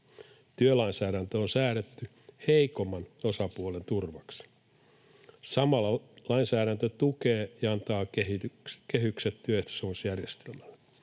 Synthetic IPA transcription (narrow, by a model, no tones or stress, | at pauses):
t̪yølɑinsæːɾænt̪øonsæːɾet̪ːy | heikomːɑnosɑpuolent̪urʋɑks | sɑmɑlːɑlɑinsæːɾænt̪øt̪ukeːjɑɑnt̪ɑːekehykset̪tyøt̪sunsjærjest̪elmælːe